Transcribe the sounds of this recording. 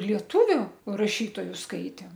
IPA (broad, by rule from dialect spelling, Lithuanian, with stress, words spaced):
lʲiɛˈtʊʋʲʊ rɐˈʃʲiːtoːjʊ ˈskɐɪtʲeːm